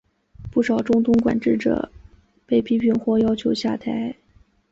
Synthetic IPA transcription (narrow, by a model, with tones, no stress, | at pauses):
pu˥˩ʂɑ˨˩ʊʈ͡ʂʊ˥ŋt̪ʊ˥ŋkwa̰˨˩nʈ͡ʂɻ̩˥˩ʈ͡ʂə̰˩ | pe˥˩ɪpʰi˥pʰi˥˧nxwɔ˥˧jɑ˥ʊt͡ɕʰjo˧˥ʊɕja̰˥˩t̪ʰa˧˥ɪ